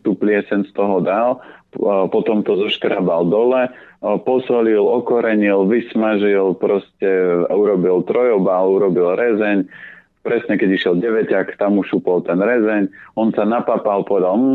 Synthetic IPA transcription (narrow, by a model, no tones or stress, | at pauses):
t̪uːplɪɛsɛnst̪ɔɦɔd̪al | pɔt̪ɔmt̪ɔzɔʃkɾabald̪ɔlɛpɔsɔlilɔkɔɾɛɲilʋismaʒilpɾɔscɛuɾɔbilt̪ɾɔjɔbaluɾɔbilɾɛzɛɲ | pɾɛsɲɛkɛɟiʃjɛlɟɛʋɛcakt̪amuʃupɔlˠt̪ɛnɾɛzɛɲɔnsanapapalˠpɔʋɛd̪alm̩